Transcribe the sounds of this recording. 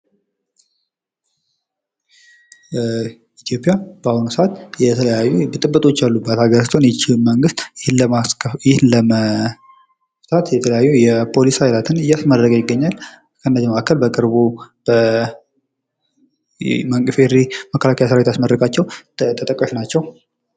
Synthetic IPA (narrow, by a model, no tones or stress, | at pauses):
it̪ʰijo̞pʼjab̥ahunusəʔat̪jɛt̪ʰəəjajːubɨt̪ʼɨbːət̪ʼo̞t͡ʃːjalːubːat̪haɡəɾst̪ʰʼo̞njɛt͡ʃːiməŋɡɨst̪ | jɪhnləə | ft̪at̪jɛt̪ʰələjajːujɛpʰo̞lishajlat̪ʰɨnɨjːasməd̪ːəkʼəjɪɡːəɲːal | kʰəɨnːəziməʔakːəlbəkʼɨɾbub̥ə | məŋkʼɨfeɾiməkʰːəlakʰəjasəɾawet̪ʰasməɾɾəkʼat͡ʃːɛwt̪ʰət̪ʼəkʼːəʃnat͡ʃːɛw